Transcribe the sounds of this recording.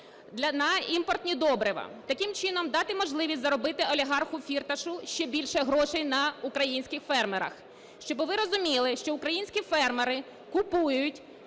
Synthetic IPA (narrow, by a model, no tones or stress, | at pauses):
d̪lʲnɐimpɔrt̪ʲnʲid̪ɔbɾɪʋɐ̰t̪ɐkʲɪmt͡ʃɪnɔmd̪ɑt̪ɪmɔʒlˠɪʋʲisʲtʲzɐɾɔbɪt̪ɪɔlʲiɦɑrxʊfʲirt̪ɐʃʊʃt͡ʃɛbʲilʲʃɛɦɾɔʃɛjnɐʊkɾɐjinʲsʲkʲɪxfɛrmeɾɐ̰x | ʃt͡ʃɔbʋɪɾɔzʊmʲilˠɪʃt͡ʃɔʊkɾɐjinʲsʲkʲifɛrmeɾɪ | kʊpujʊtʲ